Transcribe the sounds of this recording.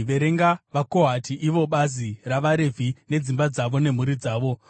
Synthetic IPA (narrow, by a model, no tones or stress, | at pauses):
ʋe̞ɾeŋɡaʋako̞ɦatʰiʔiʋo̞ɓaziraʋaɾe̞vʱine̞d͡zimbad͡zaʋo̞ne̞m̤uɾid͡zaːʋo̞